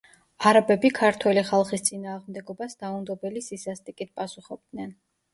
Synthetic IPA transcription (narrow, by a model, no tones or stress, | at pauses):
aɾabɛbikʰaɾt̪ʰwɛliχalˠχist̪sʼinaːʁmd̪ɛɡɔbasd̪aund̪ɔbɛlisisast̪ʼikʼit̪̚pʼasuχɔb̚d̪nɛn